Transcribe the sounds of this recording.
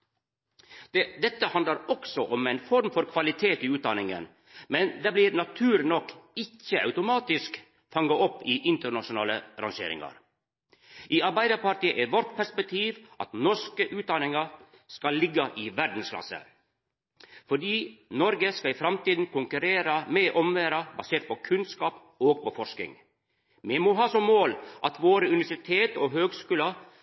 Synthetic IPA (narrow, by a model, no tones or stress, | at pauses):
d̪ɛt̪ːəhɑnd̪lɑɾɔksɔʔɔmæɪnfɔɾmfɔɾkʰʋɑlɪt̪ʰeːt̪iːʉːt̪̚d̪ɑnɪŋə̰n | mɛnd̪eːbliːɾnɑt̪ʰʉːɾnɔkːɪçːəʔɑ̰ʉt̪ʊmɑːt̪ɪsk | fɑŋːɑʔɔpːiːʔɪnt̪əɳɑʃʊnɑːləɾɑ̰nʃḛːɾɪ̰ŋɑ̰ɾ | ʔiːɑɾbæɪd̪əɾpɑɾʈ̪iːəʔæːɾʋɔɾʈ̪pʰæɾspɛk̚t̪ʰiːʋʔɑ̰t̪nɔʂkəʔʉːt̪̚d̪ɑnɪŋɑ | skɑlːɪɡɑʔiːʋæɾɖ̪n̩sklɑ̰sə̰ | fɔɖiːnɔɾɡəskɑɪfɾɑmt̪iːd̪n̩kʊŋkʉɾeːɾɑmɛʔɔmʋæːɾɑbɑseːʈ̪̚pɔkʰʉnskɑːp | oːɡpɔfɔʂknɪ̰ŋ | mɛmoɦɑːsɔmmoːlʔɑt̪ʋoːɾəʉnɪʋæsɪt̪ʰeːt̪ɔɦøːɡskʉːlɑ